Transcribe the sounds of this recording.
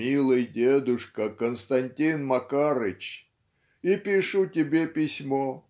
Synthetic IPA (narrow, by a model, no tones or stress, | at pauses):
ilˠɨjdʲed̪ʊʂkəkənst̪ɐnʲtʲinmɐkaɾɨt͡ɕ | ipʲɪʂutʲɪbʲepʲɪsʲmo